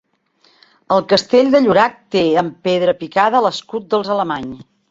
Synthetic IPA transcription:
əlˠkəst̪eʎd̪əʎuɾak̚t̪eəmpeðɾəpikaðələskut̪̚d̪əlˠzələmaɲ

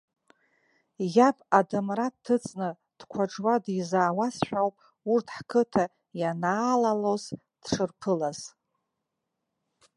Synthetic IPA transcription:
japʰʼadɨmratʰːɨt͡sʼnɨ | d̥kʷʰaʈ͡ʂwadizaːwasħʷᶣawpʼ | urtʰħkʰɨtʰa | janaːlaloz | d̥ʂɨrpʰɨlaz̥

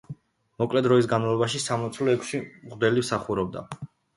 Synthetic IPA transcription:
mɔkʼlɛd̪ɾɔis̬ɡanmalˠɔbaʃisamlɔt̪sʰlɔɛkʰsimʁd̪ɛlimsaχuɾɔb̚d̪a̰

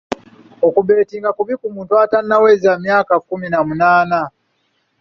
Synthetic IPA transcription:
okuβe̞ːtiːŋɡakuβikumuːntuatanːawezamjaːkakuminamunaːna

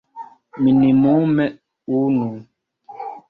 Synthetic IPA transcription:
minimumɛ | unu

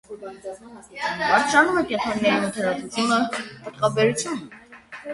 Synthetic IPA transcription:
pɑɾt͡ʃʰɑnumɛkɛnt̪ʰɾɔnːɛɾinət̪ʰɛɾɑt͡sut͡sʰjunəpət̪ʁɑbɛɾut͡sʰjunə

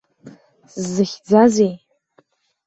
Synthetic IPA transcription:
szɨxʲd͡zazej

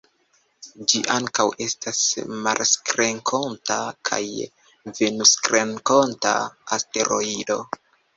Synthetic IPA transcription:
d͡ʒiʔaŋkawʔe̞stasma̰lskɾe̞ŋkʰo̞ntakʰa̰j | venuskɾeŋko̞nta̰ːste̞ɾo̞ido̞

